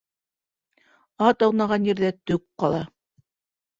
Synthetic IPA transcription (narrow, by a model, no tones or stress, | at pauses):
ɑt̪ɑw̪ˠnɑʁɑnjɘ̆ɾðæt̪ɵkqɑlˠɑ